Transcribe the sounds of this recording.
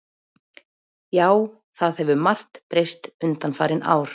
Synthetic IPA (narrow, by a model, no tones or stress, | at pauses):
jaːw | θaðhɛvʏmar̥t̪pɾejst̪ʏnt̪anfaːɾɪnʔa̰ːwɾ̥